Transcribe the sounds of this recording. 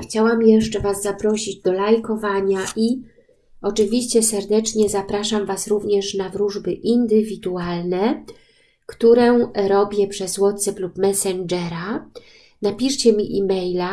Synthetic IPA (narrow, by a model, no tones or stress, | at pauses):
xt͡ɕawamjɛʂt͡ʂɛvazːapɾɔɕid͡ʑd̪ɔlajkɔvaɲaʔi | ɔt͡ʂɘvʲiɕt͡ɕɛsɛɾd̪ɛt͡ʂɲɛzapɾaʂamvasɾuvɲɛʂnavɾuʐbɘʔind̪ɘvʲid̪ualnɛ | kt̪uɾɛɾɔbʲjɛpʂɛzwɔt̪sɛplupmɛsɛnd͡ʐɛɾa | napʲiʂt͡ɕɛmʲiʔḭmɛjla